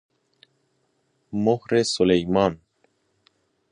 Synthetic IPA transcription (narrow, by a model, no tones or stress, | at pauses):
mohɾesolejmɑn